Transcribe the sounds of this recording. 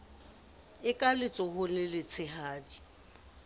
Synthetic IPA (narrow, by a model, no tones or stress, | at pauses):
ɪkʼalɪt͡sʼɔhʊnɪlɪt͡sʰɪhaːdi